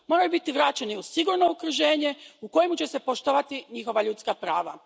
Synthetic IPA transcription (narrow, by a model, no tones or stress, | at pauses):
mo̞ɾajubit̪iʋɾaːt͡ɕeniusiɡuɾno̞ukɾuʒe̞ːɲe̞uko̞jemut͡ɕe̞se̞poʃt̪oʋat̪iɲixo̞ʋaʎut̪skapɾaːʋa̰